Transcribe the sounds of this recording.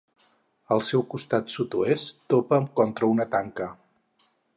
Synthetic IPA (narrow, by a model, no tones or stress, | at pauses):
əlˠsɛwkust̪at̪sut̪uest̪opəmkɔnt̪ɾəunət̪aŋkə